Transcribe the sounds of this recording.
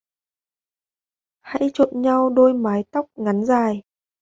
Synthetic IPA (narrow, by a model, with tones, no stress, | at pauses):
ha̰˧˥jt͡ɕo̰˧˨nɲa˧wɗo˧jmaː˨˦jt̪a˦˥wk͡p̚ŋa˨˦nzaː˨˩j